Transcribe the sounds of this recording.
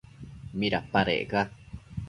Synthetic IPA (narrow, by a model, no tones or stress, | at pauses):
miɾapaɾḛʔɡa